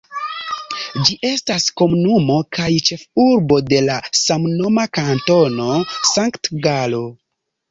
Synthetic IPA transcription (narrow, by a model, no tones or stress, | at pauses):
d͡ʒiʔe̞stasko̞munumo̞kajt͡ʃe̞fuɾbo̞de̞lasamno̞makanto̞no̞saŋktɡalo̞